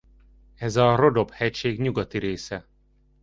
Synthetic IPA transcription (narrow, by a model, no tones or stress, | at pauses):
ɛzɒro̞d̪o̞bhɛcʃeːɡɲuɡɒt̪iɾeːsɛ